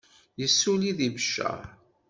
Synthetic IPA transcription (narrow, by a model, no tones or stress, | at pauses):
jəsːuliðibəʃːə̰